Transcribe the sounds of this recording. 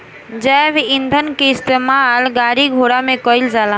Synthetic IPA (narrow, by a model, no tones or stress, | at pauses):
d͡ʒɛʋind̪ʱənkeɪst̪emalɡaɾiɡʱoɽamẽkəild͡ʒaːlã